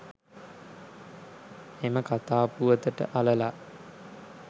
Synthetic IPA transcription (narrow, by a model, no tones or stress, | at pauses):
eməkat̪aːpuʋət̪əʈə̰ʔaləla